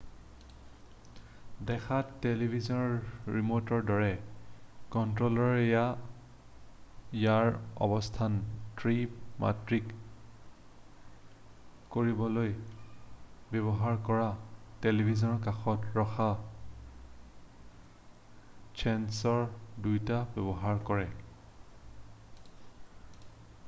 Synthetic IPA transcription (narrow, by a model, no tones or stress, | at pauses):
dɛkʰatelibʱizɔnɔɹɹimotɔɹdɔɹɛ | kɔntɹolɔɹeja | jaɹɔ̰bɔstʰantɹipma̰tɹik | koɹibɔloj | bebɔɦaɹkɔɹatelibʱizɔnɔkaxɔtɹɔxa | t͡ʃʰɛnsɔɹdujtabɛbɔɦaɹkɔɹɛ